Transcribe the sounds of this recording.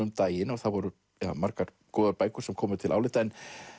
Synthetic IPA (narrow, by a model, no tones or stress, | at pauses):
ʏmt̪aːjɪnɔɣθaðvɔɾʏ | ja̰ːmaɾkaɾ̥ | kɔːðʏɾpaːjkʏ̥sɛmkʰɔːmʏʏt̪ʰɪla̰ːwlɪːt̪aɛn